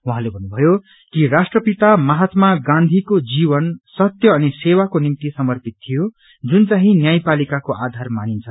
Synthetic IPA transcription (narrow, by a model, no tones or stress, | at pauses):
waɦãlebʱʌnːubʱʌjo | kirasʈrʌpit̪amʌɦat̪maɡãnd̪ʱikod͡ziβʌnsʌt̪jʌːnisewakonimt̪isʌmʌrpit̪̚t̪ʰijo | d͡zunt͡saɦĩnjajpalikakoʔad̪ʱarmanint͡sʰʌ